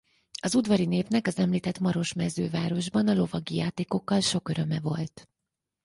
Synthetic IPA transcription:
ɒzud̪vɒɾineːpnɛkɒzɛmliːt̪ɛt̪mɒɾo̞ʃmɛzø̰ːvaːɾo̞ʒbɒnɒlo̞vɒɡijaːt̪eːko̞kːɒlʃo̞køɾø̞mɛvo̞lt̪

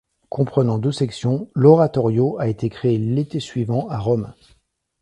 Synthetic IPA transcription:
kʰɔ̃pχənɑ̃d̪øsɛksjɔ̃lɔʁat̪ɔʁjoaet̪ekχeːlet̪esɥivɑ̃ʔaʁɔm

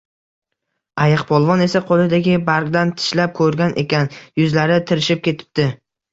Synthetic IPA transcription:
ajɨqpʰɒlˠvɒne̞saqʰolˠɪd̪aɡʲɪbaɾɡd̪ant̪ʰɪ̥ʃlap̚kʰɵɾɡʲanʔḛkʲanjʊzlaɾɪt̪ʰɪɾɪʃɪp̚kʲe̞t̪ʰɪ̥p̚t̪ɪ

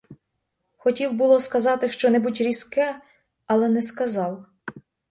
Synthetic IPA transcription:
xɔtʲiwbʊlˠɔskɐzɑt̪ɪʃt͡ʃɔnɛbutʲɾʲiskɛ | ɐlˠɛnɛskɐzɑw

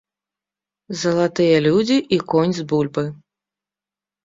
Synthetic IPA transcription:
zɐlˠat̪ɨjɐlʲud͡zʲiʔikɔnʲzbulʲbɨ

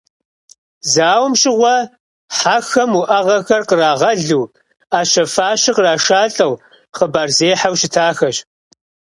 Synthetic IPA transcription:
zaːwmɕʼɪʁʷɔ | ħaxɐmʊʔɐʁɐxɐrqəraːʁɐɮuː | aːʃɐfaːɕɪqəraːʂaːɬʼɐw | χəbaːrzeːħawʃɪtʰaːxɐɕ

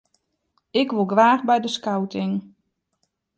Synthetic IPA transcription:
ɪkʋolˠɡʋaːxbɛjdəskawtʰɪŋ

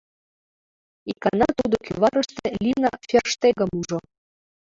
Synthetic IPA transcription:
ikɑnɑt̪ud̪okʲyvɑɾɤ̆ʃt̪elʲinɑfʲerʃt̪eɣɤ̆muʒŏ

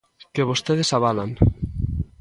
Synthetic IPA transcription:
keβost̪eð̞esaβalaŋ

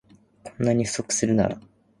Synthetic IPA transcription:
kʰõ̞nːaɲ̟iɯ̟so̞kɯ̥sɨɾɯ̟na̰ɾa

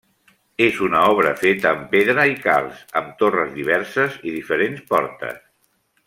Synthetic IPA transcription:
ezunaɔβ̞ɾəfet̪əːmpeðɾəika̰lˠsəmt̪orəzðiβɛɾsəziðifəɾenspɔɾt̪ə̰s

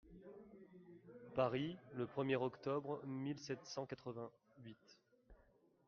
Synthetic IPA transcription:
paʁiləpχəmjɛʁɔkt̪ɔbʁmilsɛt̪sɑ̃kat̪χəvɛ̃ | ɥit̪

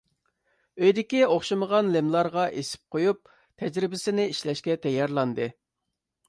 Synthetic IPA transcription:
øjd̪ɪkʲioχʃɨməʁɑnlɪmlˠɑɾʁɑʔesɪ̥p̚qʰojup̚ | t̪ʰɛd͡ʒɾɪbɪsɪnɪiʃlɛʃkʲɛt̪ʰɛjːɑɾlˠɑnd̪ɨ

